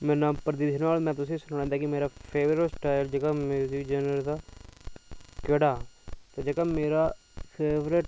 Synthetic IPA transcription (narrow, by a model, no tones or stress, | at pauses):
mɛ̃ːnãːpɾəd̪iːʃənʋaːlmɛ̃ːt̪ʊsĩːsʊnaːɛ̃ːd̪aːkɪmeːɾaːpʰeːʋɾəɪʈsʈaːɪld͡ʒəkamjuːzɪkd͡ʒɛːnɾəɾd̪aː | keɽaːt̪aːd͡ʒekaːmeːɾaː | pʰeːʋɾɪʈ